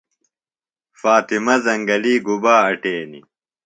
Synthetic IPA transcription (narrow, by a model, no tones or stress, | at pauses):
faːt̪imɐzɐŋɡɐliːɡubaːɐʈeːnḭ